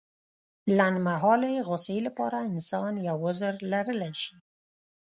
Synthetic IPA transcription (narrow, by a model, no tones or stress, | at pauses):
lanmaɦɑleɣʊselapɑ̰ɾaɪnsɑnjawʊzəɾlaɾəlaʃi̥